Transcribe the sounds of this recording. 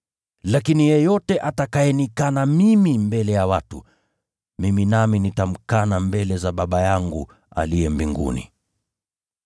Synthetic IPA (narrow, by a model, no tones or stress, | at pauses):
lakinijɛjɔtɛʔatakajɛnikanamimimbɛlɛjawatu | miminaminitam̩kanambɛlɛzaɓaɓajaŋɡṵ | a̰lijɛmbiŋɡṵnḭ